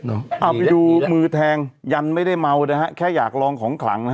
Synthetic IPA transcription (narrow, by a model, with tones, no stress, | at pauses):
ʔa˨˩pjuː˧mɯː˧t̪ʰɛː˧ŋja˧nma˥˩jda˥˩jma˧wna˧˥ɦa˦˥kʰɛː˥˩jaː˨˩k̚lɔː˧ŋkʰɔː˩˦ŋkʰla̰˩˦ŋ˧˦˥